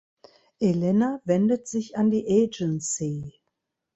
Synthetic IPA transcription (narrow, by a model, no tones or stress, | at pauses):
ʔelɛnavɛndətz̥ɪçandiːʔeːd͡ʒənsi